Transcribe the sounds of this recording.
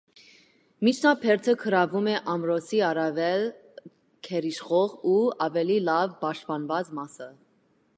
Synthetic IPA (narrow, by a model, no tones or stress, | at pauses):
mit͡ʃʰnɑpʰɛɾt̪ʰəkʰəɾɑvumɛʔɑmɾɔsiɑɾɑvɛl | kʰɛɾiʃχɔʁuɑvɛlilɑvpɑʃt̪̚pɑnvɑt͡smɑsə